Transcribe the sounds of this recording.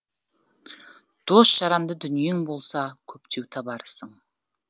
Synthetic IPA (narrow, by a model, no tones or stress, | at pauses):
d̪̥o̞st̪ʒɑɾɑnd̪əd̪ʏnijeŋbo̞lˠsɑkʲʰɵpt̪e̞wt̪ʰɑbɑɾsəɴ